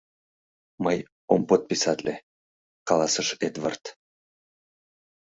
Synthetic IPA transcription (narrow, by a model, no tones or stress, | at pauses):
məj | ompot̪̚pisɑt̪lʲe | kɑlˠɑsɤʃed̪va̰rt̪